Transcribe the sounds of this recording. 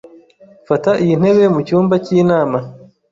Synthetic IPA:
fataʔijin̥e̞βe̞mucuːmbacinaːma

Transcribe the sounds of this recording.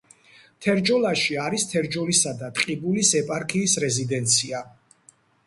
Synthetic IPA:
t̪ʰɛɾd͡ʒɔlˠaʃiaɾist̪ʰɛɾd͡ʒɔlisad̪at̪ʼqʼibulisɛpʼaɾkʰiːsɾɛzid̪ɛnt̪sʰia

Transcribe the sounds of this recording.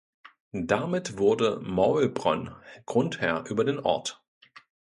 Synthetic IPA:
d̥amɪtv̥ʊɐdəmaʊlbʁɔ̰nɡ̥ʁʊnthɛɐʔyːbɐdeːnʔɔ̰ɐt

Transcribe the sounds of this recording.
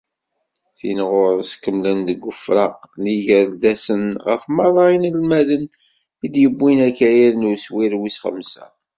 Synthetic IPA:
θḭnʁʊɾskːəmlənd̪əɡʷːʊfɾɑqniʝəɾd̪æsənʁə̰fmɑðˤɑinəlmæðən | id̪jəbːinækæjæðnuswiɾwisχə̰msæ̰

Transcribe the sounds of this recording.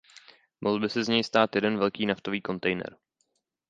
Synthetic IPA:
mʔoɦl̩bɪsɛzɲɛjst̪aːt̪jɛdɛnvɛlkiːnaft̪oviːko̞nt̪ɛjnɛ̰ɾ

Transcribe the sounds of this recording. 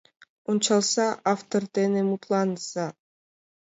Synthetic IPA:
unt͡ʃɑlˠsɑʔaft̪ort̪enemut̪lˠɑnsɑ

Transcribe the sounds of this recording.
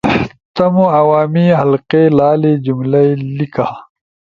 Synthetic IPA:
t̪ɐmuɐwaːmiɦɐlqeːlaːlid͡ʑumlɐjlikaː

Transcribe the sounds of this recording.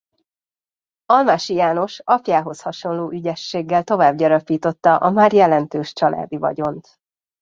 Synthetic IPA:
ɒlmaʃijaːno̞ʃɒpjaːɦo̞shɒʃo̞nloːʔyɟɛʃːeːɡːɛlt̪o̞vaːbɟɒɾɒpiːt̪o̞t̪ːɒʔɒmaːrjɛlɛnt̪øːʃt͡ʃɒlʔa̰ːd̪ivɒ̰ɟo̞nt̪

